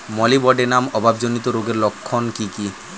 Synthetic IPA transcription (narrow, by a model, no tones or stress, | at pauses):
mɔlibɔɖenamɔbʱabd͡ʑonit̪oɾoɡeɾlokʰːonkiki